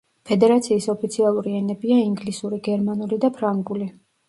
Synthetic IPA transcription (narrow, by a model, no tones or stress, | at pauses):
pʰɛd̪ɛɾat̪sʰiːsɔpʰit̪sʰialˠuɾiɛnɛbiaiŋɡlisuɾiɡɛɾmanulid̪apʰɾaŋɡuli